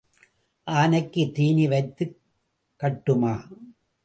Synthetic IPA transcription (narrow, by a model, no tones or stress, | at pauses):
ʔaːnɐkːɯt̪iːniʋɐɪt̪ːɯ | kːɐʈːɯmaː